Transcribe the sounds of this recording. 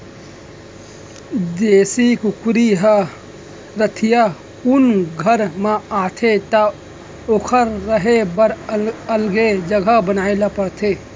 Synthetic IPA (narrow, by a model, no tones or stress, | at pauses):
d̪eːsikʊkɾiɦa | ɾət̪ʰija | ʊnɡʱəɾmãaːt̪ʰet̪a | oːkʰəɾːəɦebəɾəlɡed͡ʒəɡʱabənaːɪlapəɾt̪ʰeː